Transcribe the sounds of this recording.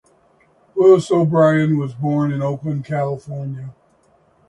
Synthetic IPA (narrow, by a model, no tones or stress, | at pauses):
wɪlˠsoʊbɹaɪɨ̃nwʌzbɔɹnɨ̃noʊpɨ̃nkʰælˠəfɔɹnjɨ